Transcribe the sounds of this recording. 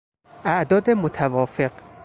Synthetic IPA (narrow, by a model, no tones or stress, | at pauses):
ʔæʔd̪ɒːd̪e̞mot̪ʰævɒːfe̞q